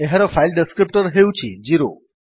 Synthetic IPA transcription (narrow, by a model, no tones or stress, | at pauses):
eɦəɾəfailɖɪskɾip̚ʈəɾɦejũt͡ʃʰid͡ʒiɾo̰